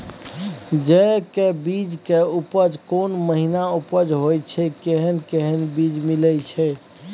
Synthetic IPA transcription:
d͡ʒɛkebid͡ʒkeupəd͡ʒkonməɦinaupəd͡ʒɦojt͡ʃʰɛkeɦənkeɦənbid͡ʒmilɛt͡ʃʰɛ

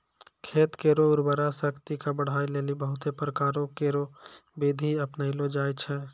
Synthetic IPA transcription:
kʰeːt̪keːɾoʊɾbəɾasəkt̪ikabəɽ̤aːileːlibəɦʊt̪epɾəkaːɾõkeːɾobed̪ʱiəpnəilod͡ʒaːjt͡ʃʰɛː

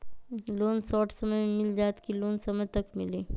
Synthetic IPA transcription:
loːnsɔːʈsɐməjmɪld͡ʒaːt̪kiloːnsɐmət̪ɐkmɪliː

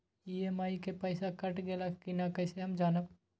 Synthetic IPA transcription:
iemaːikepəɪsakəʈɡeːlakkinakəɪseɦəmd͡ʒaːnəb

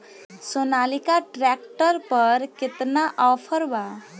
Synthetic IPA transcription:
sonalikaʈɾɛk̚ʈəɾpəɾkɪt̪naʔɔpʰəɾba

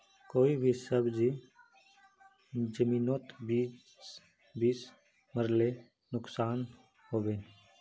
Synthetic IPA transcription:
koːibʱisəbd͡ʒi | d͡ʒəmiːnoːt̪biː | biːs | məɾle | nʊksaːn | hoːbeːn

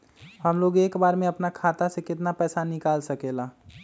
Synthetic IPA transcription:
ɦəmloɡekbaɾmeəpnakʰat̪asẽkɪt̪napɛsanikalsəkela

